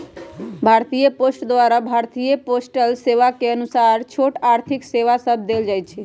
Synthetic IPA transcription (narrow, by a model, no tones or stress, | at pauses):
bʱaːɾt̪ijəposʈd̪ʋaɾabʱaɾt̪ijəposʈəlseʋakeənusaɾt͡ʃʰoʈaːɾt̪ʰikseʋasəb̚ʱd̪eld͡ʒaːjt͡ʃʰe